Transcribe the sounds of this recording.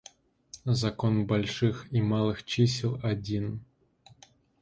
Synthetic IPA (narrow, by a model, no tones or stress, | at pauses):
zɐkɔnbɐlʲʂɨximalˠɨxt͡ʃisʲlˠɐdʲin